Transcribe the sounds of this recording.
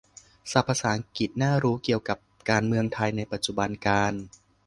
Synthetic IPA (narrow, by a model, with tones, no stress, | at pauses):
sa˨˩pʰːa˧saː˩˦ŋki˨˩t̪̚naː˥˩ɾuː˦˥ki˨˩əwka˨˩p̚ | kaː˧nmɯ˧əŋt̪ʰa˧jna˧jpa˨˩t̪̚t͡ɕu˨˩ba˧nkaː˧n